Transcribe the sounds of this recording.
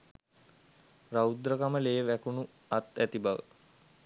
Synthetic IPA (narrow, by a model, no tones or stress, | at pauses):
raud̪ɾəkaməleːʋækunu | at̪æt̪ibaʋə̰